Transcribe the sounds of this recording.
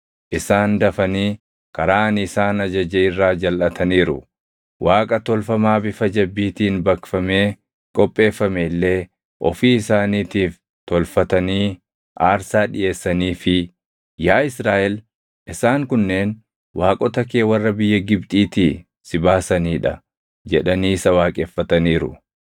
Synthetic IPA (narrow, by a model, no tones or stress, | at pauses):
ʔɪsaːnd̪ɐfɐniː | kɐɾaːnɪsaːnɐd͡ʒɐd͡ʒɛɪrːaːd͡ʒɐlʔɐt̪ʰɐniːɾʊ̰ | wʔaːkʼɐt̪ɔlfɐmaːbɪfɐd͡ʒɐbːiːt̪iːnbɐkfɐme̞ː | kʼɔpʼːe̞ːfːɐmɛɪlːe̞ː | ʔɔ̰fiːɪsaːniːt̪iːf | t̪ɔlfɐt̪ɐniː | ʔaːɾsaːᶑɪ̰ʔe̞ːsːɐniːfɪ | jaːɪsɾaːʔɛl | ʔɪsaːŋkʊnːe̞ːn | waːkʼɔt̪ɐke̞ːwɐrːɐbɪjːɐɡɪbt̪ʼiːt̪iː | sɪbaːsɐniːᶑɐ | d͡ʒɛᶑɐniːsɐwaːkʼɛfːɐt̪ɐniːɾʊ̰